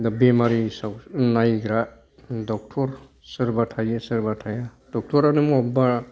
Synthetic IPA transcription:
d̪bemaɾisawnajɡɾa | dɔk̚tʰɔɾ | sɯɾbatʰajesɯɾbatʰaja | d̥ɔk̚tʰɔɾanɯmɔɔba

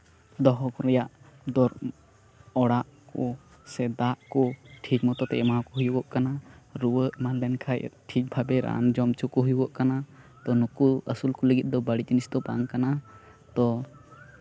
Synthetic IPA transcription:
d̪ɔɦɔkɔɾɛjaʔ | d̪ɔɾ | ɔɽaʔkɔ | sɛd̪aʔkɔʈʰit͡ʃmɔt̪ɔt̪ɛʔɛmaɦakɔɦujuɡɔʔkanaɾuwəʔmanlɛnkʰaj̰ʈʰit͡ʃ̚bʱabɛɾa̰nd͡ʒɔmt͡ʃukɔɦujuɡɔʔkana | t̪ɔnukuəsulkɔləɡit̪̚ˀd̪ɔbaɽid͡ʒinisd̪ɔba̰ŋkana | t̪ɔ

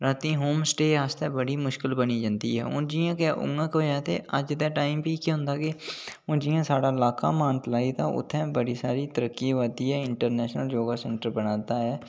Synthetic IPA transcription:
ɾaːt̪ĩːɦoːmsʈeːaːst̪ɛːbəɽiːmʊʃkɪlbəniːd͡ʒãːnd̪ḭːɦɛ̰ːʊ̰nd͡ʒijãːkeʔʊ̰ŋɡãːkʋəd͡ʒaːt̪eːəd͡ʒt̪ɛ̃ːʈaːimpiːkiɦʊ̃nd̪aːkeʊ̃d͡ʒiːjãːsaːɽaːɪlaːka̰ːmãːnʈ̪laːiːt̪aːʔʊ̰t̪ʰːɛ̃ːbəɽiːsaːɾiːt̪əɾəkːiːʋaːd̪iːɛːɪɳʈəɾnɛːʃnəld͡ʒoːɡaːsɛ̃ɳʈəɾbənaːd̪aːɦɛː

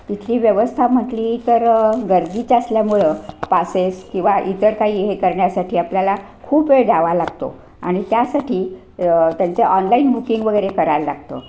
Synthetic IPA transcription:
t̪it̪ʰliːʋjəʋəst̪ʰam̤əʈliːt̪əɾɡəɾd̪it͡ɕasljamuɭəpaseskĩw̃ʋaʔit̪əɾkaɦiːɦekəɾɳjasaʈiːapljala | kʰuːped̪aʋalaɡt̪o̰ | a̰ɽ̃it̪jasaʈʰiː | t̪jant͡seʔɔnlainbukiŋɡʋəɡəjɾekəɾallːa̰ɡt̪o̰

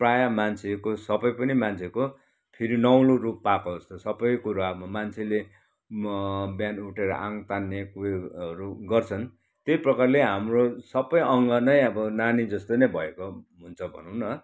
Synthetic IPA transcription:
prajamant͡sʰekosʌbʌjpʌnimant͡sʰeko | pʰiɾinʌw̃lorupːakod͡zʌst̪osʌbʌjkuɾamant͡sʰele | bjanuʈeɾʌ̰ʔaŋt̪anːekueʌɾuɡʌrt͡sʰʌn | t̪ejprʌkarleɦamrosʌbʌjʔʌŋɡʌnʌjʌbʌnanid͡zʌst̪onʌjbʱʌekoɦunt͡sʰʌbʱʌ̰nuw̃nʌ

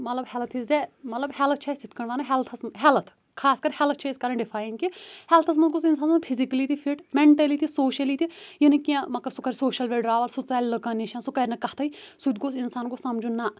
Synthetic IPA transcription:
mɐt̪lɐbhɛlət̪ʰizɛmɐt̪lɐbhɛlət̪̚ʰt͡ʃʰɛsit̪ʰkɐɳʋaːnɐɦɛlt̪ʰɐsmɦɛlət̪ʰ | kʰaːskɐɾhɛlət̪̚ʰt͡ʃʰeɪskɐɾəɳɖɪpʰaːjiŋɡkihɛlt̪ʰɐs̬mɐt̪̚ɡoːsɪnsaːnɐpʰizikɐlit̪ʰipʰiʈmeɳʈɐlit̪ʰisoːʃɐliːt̪ʰijɐnikiãmɐkːɐsukɐɾsoːʃɐlʋeɖɾaːʋəlsut͡saːllɐkɐniʃãːsukɐɾʲnɐkɐt̪ʰɐisut̪ɡosɪnsaːnkosɐmd͡ʒuna

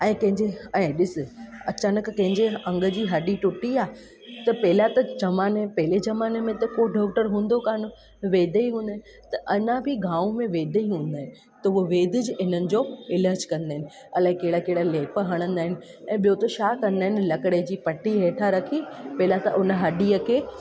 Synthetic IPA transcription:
ɛ̃ːkɐ̃ɦɪ̃ɲd͡ʑeɛ̃ːɗɪsɪ̆ɐt͡ɕaːnəkːɐ̃ɦɪ̃ɲd͡ʑeɐ̃ŋɡə̆d͡ʑiːɦɐɗiʈʊʈiaː | t̪ɐpɐɦɪlat̪ɐd͡ʑɐmaːnepɐɦɪled͡ʑɐmaːnemẽt̪ɐkoɖɔːkʈəɾɦũːn̆d̪okaːno | ʋeːd̪ʱeiɦũːnd̪aɦɪ̃nɪ | t̪ɐʔɐɲãbʱɪɡãːũmẽʋeːd̪ʱeiɦũːn̆d̪aːɦɪ̃nɪ̆ | t̪ɐuoʋeːd̪ʱɪd͡ʑɪnənɪ̆d͡ʑoːɪləːd͡ʑkɐ̃nd̪aːɦɪnɪ̆ | ɐlaːẽkeɦɪɽakeɦɪɽaleːpəɦɐɽ̃ə̃nd̪aːɦɪnɪ̆ | ɛ̃ːɓijot̪oʃaːkɐ̃nd̪aːɦɪnɪ̆lɐkɽed͡ʑiːpɐʈːiɦeːʈʰaɾɐkʰipɐɦɪlat̪ɐʔʊnə̆ɦɐɗiːəkʰeː

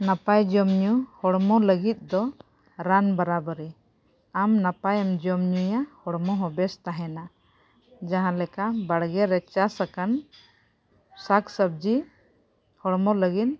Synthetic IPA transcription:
napajd͡ʒɔmɲuhɔɽmɔləɡit̪̚ˀd̪ɔ | ɾanbaɾabəɾɛ | amnapajamd͡ʒɔmɲujahɔɽmɔɦɔbɛst̪aɦɛna | d͡ʒaɦãlɛkabaɽɡɛɾɛt͡ʃasakan | saksəb̚d͡ʒi | hɔɽmɔləɡin

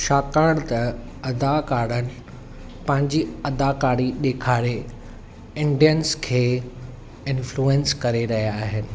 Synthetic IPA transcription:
ʃaːkaːɽt̪ɐɐd̪akaːɽənɪ̆ | pɐ̃ɦɪ̃ɲd͡ʑiɐd̪akaːɽiɗ̪eːkʰaːɾe | ɪ̃ɳɖijənskʰeː | ɪ̃nfluẽnskɐɾeɾɐɦijaːɦɪnɪ̆

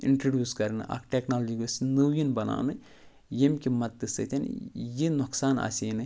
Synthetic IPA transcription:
ḭɳʈɾɐɖjuːskɐɾnɨ̰ʔa̰kʈeknaːld͡ʒiɡɨsnɨwjinbɐna̰ːnɨ | jemkʲimɐt̪ːɨsɨt̪ʲɐn̰jinuksaːnɐ̰sʲeːnɨ

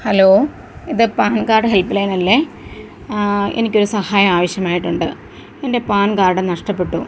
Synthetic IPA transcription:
hɐloː | iðɨpaːnɡaːrɖɨɦelpilɐjnɐlːe | e̞̰nikʲːo̞ɾusɐhaːjɐmaːʋɐɕjɐmaːjiʈːuɳɖɨ | ende̞paːnɡaːrɖɨnɐʂʈɐpːe̞ʈːu

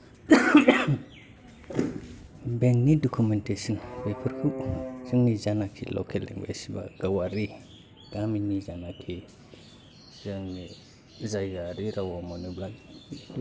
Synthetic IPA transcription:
beŋnidokumentesinbepiɾkusiŋnizanakʰḭlo̰kʰalḭŋḛsiba̰ɡ̥awaɾi | ɡ̥aminizanakʰi | zaŋi | zajɡaɾiɾawamoniblaɡ

